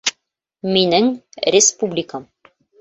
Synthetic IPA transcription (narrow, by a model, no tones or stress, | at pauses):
minɘŋɾʲɪspublʲɪkəm